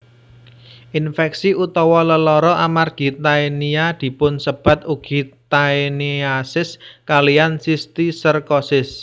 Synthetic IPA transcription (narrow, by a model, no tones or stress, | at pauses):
ʔinfɛksiʔut̪ɔwɔləlɔɾɔʔamarɡ̥i̤t̪aeniad̪̥i̤pʊnsəb̥a̤t̪̚uɡ̥i̤t̪aeniasɪskalijansist̪isərkɔsɪs